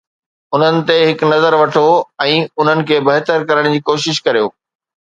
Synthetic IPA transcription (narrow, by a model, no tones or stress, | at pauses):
ʊn̤ənɪ̆t̪eɦɪknɐzəɾʋɐʈʰoɛ̃ːʊn̤ənɪ̆kʰeːbɐɦt̪əɾkɐɾəɽ̃d͡ʑiːkoːʃɪʃkɐɾijo̰ː